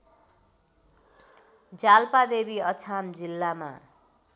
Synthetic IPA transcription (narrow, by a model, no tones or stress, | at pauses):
d͡zalpad̪ebiʌt͡sʰamd͡zilːama̰